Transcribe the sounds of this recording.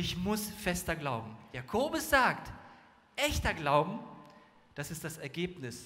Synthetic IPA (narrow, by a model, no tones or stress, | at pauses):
ɪçmʊsfɛstɐɡlaʊbm̩jaːkʰoːbʊsz̥aːkt | ʔɛçtɐɡlaʊbm̩ | d̥asɪstd̥asɛɐɡeːpnɪs